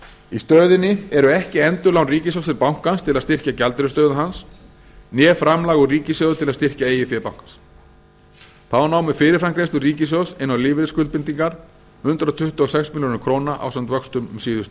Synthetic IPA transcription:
ist̪œːðɪnːɪɛɾʏɛhcɪɛnt̪ʏlawnriːcɪsjɔwst̪ʰɪɾpawŋ̥kanst̪ʰɪlaðst̪ɪr̥cacalt̪ɾʏst̪œːðaɦans | njɛːfɾamlaːɣʏriːcɪsjœːɣðʏt̪ʰɪlaðst̪ɪr̥caeːjɪfjɛːpawŋ̥kans | θaanaːwmɪfɪːɾɪɾfɾamkɾejst̪ʏriːcɪs̬jɔwsɪnːawlɪːvɪɾɪskʏlt̪̚pɪnt̪iŋkaɾ̥ | hʏnt̪ɾat̪ʰʏht̪uɔɣsɛksmɪljoːnʏkʰɾoːnaʔa̰wsɛnt̪vœkst̪ʏmʏmsiːðʏt̪

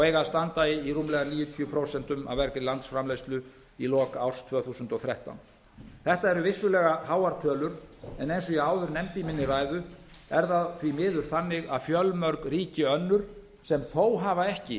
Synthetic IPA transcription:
ɔejɣaðst̪ant̪aɪiruːmlɛɣaniːjʏt̪ʰiʏpʰɾowsɛn̥t̪ʏma̰vvɛɾkɾɪlant̪sfɾamlejst̪lʏ | ilɔːkaawɾ̥st̪ʰvœːθuːsʏnt̪ɔθɾɛht̪a̰wn | θɛht̪aɛɾʏvɪsːʏlɛːɣahaːwaɾt̪ʰœːlʏɾ̥ɛnejnsɔjɛaːwðʏɾnɛmt̪ɪimɪnːɪraːjðʏ | ɛɾðaðθvimɪːðʏɾ̥θanːɪɣaðfjœlmœɾkriːcɪœnːʏɾ̥ | sɛmθoːwɦaːvaɛhcɪ

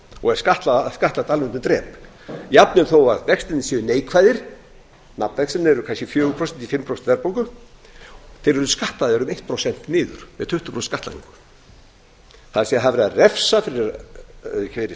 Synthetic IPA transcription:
ɔɣɛɾ̥skaht̪laskaht̪lat̪almʏnt̪ʏmt̪ɾɛːp | japnʏɾθowaðvɛkst̪ɪnːɪsɛðʏneːjkʰvaːjðɪɾ̥ | na̰pnvɛksɛnɛɾʏkʰanscɛfjœːɣʏpʰɾɔsɛnt̪ifɪmpʰɾosɛ̥vɛɾpowŋkʏ | θeɾɛɾʏskaht̪laðɛɾʏmejht̪̚pʰɾosɛn̥t̪nɪːðʏ̰ɾ̥mɛ̰ðt̪ʰʏht̪ʏ̥pʰɾosnskaht̪a̰ḭŋkʏ̥ | θaðsɛɦaðvɾɛːðarɛfsafɪɾɪɾ | kvɪɾɪ

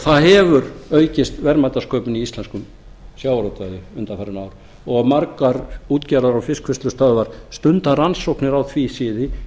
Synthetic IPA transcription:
θaðɦɛvʏɾœɥcɪst̪vɛɾmajt̪askʰœːpɪniist̪lɛnskʏm | sjaːwɾɔwt̪vajðɪʏnt̪afɛɾɪnaːwɾ | ɔɣaðmaɾkaɾuːt̪cɛːɾaɾawfɪskʰvɪst̪lʏst̪œðvaɾ̥st̪ʏnt̪aransowknɪɾawθʰvisɪːðɪ

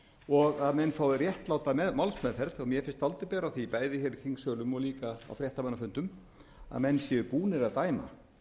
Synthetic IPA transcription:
ɔɣaðmɛnːfaːwðɪrjɛht̪laːwt̪amɛðmawlsmɛðfɛɾðɔɣmjɛfɪnst̪alt̪ʏpɛːɾaθipaːjðɪçɛɾcʰiŋksœːlʏmɔɣliːkaa̰wfɾjɛht̪amanːafʏnt̪ʏm | a̰ðmɛnːsjɛʏpuːnɪɾaðt̪aːjma̰

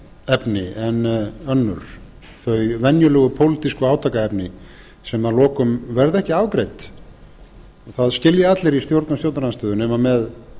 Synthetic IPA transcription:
ɛpnɪɛnœnːʏ̰ɾ̥ | θœɥvɛnjʏlœːɣʏpʰowlɪt̪iskʏaːwt̪ʰakaɛpnɪ | sɛmːaðlɔːkʏmvɛɾðɛhcɪaːvkɾejt̪ | θaðscɪljɪat̪lɪɾist̪jowɾt̪nast̪jowt̪aɾanst̪œːðʏnɛːmamɛð

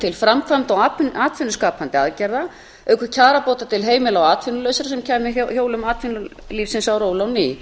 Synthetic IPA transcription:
t̪ʰɪlfɾamkʰvamt̪ɔɣaːaːt̪fɪnːʏskaːpant̪ɪa̰ðcɛɾða | œːkʰʏɾcʰaːɾapoːwt̪at̪ʰɪlɦeːjmɪlaɔwaːt̪fɪnʏlœːɥsaɾasɛmcʰɛːmɪçjoːwlʏmaːt̪fɪnʏliːfsɪnsawɾoːwlawni

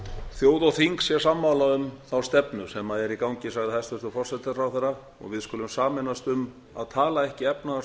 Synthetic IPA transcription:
θjoːwðawθiŋksjɛsamːawlaʏmθawst̪ɛpnʏsɛmaðɛɾikawɲcɪsaɣðɪhajst̪ʏɾ̥t̪ʏfɔr̥sɛt̪ːafɾawθɛɾːa | ɔ̰ɣvɪðskʏːlʏmsaːmɛnast̪ʏm | a̰ðt̪ʰaːlaɛhcɪɛpnaa

